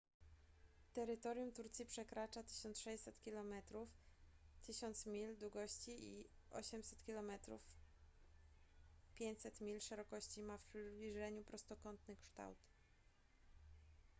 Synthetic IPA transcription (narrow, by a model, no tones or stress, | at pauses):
t̪ɛɾɘt̪ɔɾjumt̪uɾt̪sʲipʂɛkɾat͡ʂat̪ɘ̥ɕɔnt̪ʂɛjʲsɛt̪kʲilɔmɛt̪ɾuft̪ɘɕɔnt̪smʲild̪wuɡɔɕt͡ɕiḭ | ɔ̰ɕɛmsɛ̥t̪kʲilɔmɛt̪ɾṵf | pʲjeɲt͡ɕsɛt̪mʲilʂɛɾɔkɔɕt͡ɕimafbʲiʐɛɲupɾɔst̪ɔkɔnt̪nɘkʂt̪a̰wt̪